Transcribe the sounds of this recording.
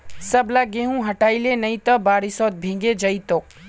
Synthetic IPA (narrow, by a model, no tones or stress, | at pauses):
sɐblaɡeːɦũɦɐʈaːilenɐĩt̪ɐbaːɾisɔːt̪̚bʱẽːŋɡed͡ʒɐit̪oːk